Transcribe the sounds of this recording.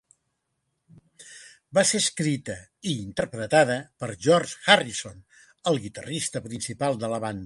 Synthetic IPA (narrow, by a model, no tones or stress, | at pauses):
baseskɾit̪əiːnt̪ərpɾət̪aðəpəɾʒɔrʒxarison | əlˠɣit̪ərist̪əpɾinsipalˠd̪ələβand̪ə